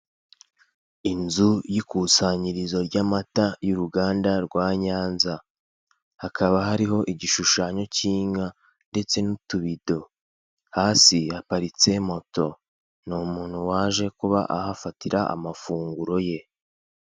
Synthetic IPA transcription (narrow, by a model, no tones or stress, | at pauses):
inzujikuːsaɲiɾizo̞ɾɟamatajuɾuɡaːndaɾɡwaːɲaːnza | hakʰaβaɦaɾiɦo̞ʔiɟiʃuʃaːɲo̞ciːɲa | nde̞t͡se̞nutuβido̞ | haːsiapaɾit͡se̞mo̞to̞ | nuːmuːn̥huwaːʒe̞kuβa̰ʔahafatiɾaʔa̰mafuːŋɡuɾo̞je̞